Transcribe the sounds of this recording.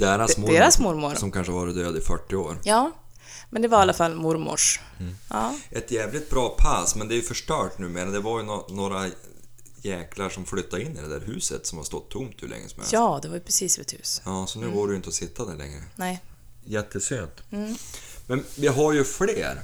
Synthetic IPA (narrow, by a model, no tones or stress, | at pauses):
d̪eːɾasmd̪eːɾasmʊɾmʊɾsɔmkanʂəvɑːɾɪt̪d̪øːd̪ɪfœʈːɪoːɾjɑː | mɛnd̪ɛvaɾalːafalːmʊɾmʊ̰ʂ | ɑːʔɛt̪jɛːvlɪt̪̚bɾɑːpʰasmɛnd̪ɛæjɵfœʂʈœːʈnʉ̟ːmeːɾad̪ɛvaɾjɵnonoːɾa | jɛːkʰlaʂɔmflʏt̪ːaɪnːɪd̪ɛd̪æ̰ːɾɦʉ̟ːsət̪sɔmhast̪ɔt̪ʰːʊmt̪ʰːʉ̰ːlɛ̰ŋːə̰smɛ̰ɑːd̪ɛvaɾjəpʰɾɛsiːsɛ̰t̪hʉ̟ːsjɑːsɔnʉ̟ːɡoːɖɛjʏɪnt̪əɔsɪt̪ʰːad̪æɭɛ̰ŋɾə̰nɛ | jɛt̪ʰːəsøːnt̪ː | mɛnvɪɦaɾjɵfleːɾ